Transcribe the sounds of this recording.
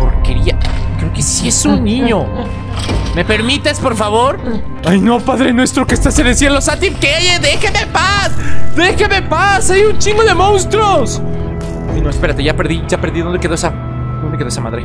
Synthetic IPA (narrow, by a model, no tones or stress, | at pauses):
o̰keɾiakɾeoke̞siesunnĩɲo̞ | me̞pe̞ɾmit̪espo̞ɾfaβo̞ɾ | ajnopaðɾenwest̪ɾokest̪aseðesjelosat̪ipkejeðexemepasd̪exeme̞pasajunt͡ʃiŋɡoðe̞mõnst̪ɾos | inoespe̞ɾat̪eʝapeɾðiʝapeɾðiðond̪eke̞ðoesa | d̪ond̪ekeoesamaðɾe